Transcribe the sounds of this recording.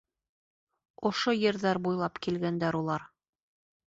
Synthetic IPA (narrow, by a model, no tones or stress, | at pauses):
ŏʃojɘ̆ɾðæɾbujlˠɑpkilɡænd̪æɾulˠɑɾ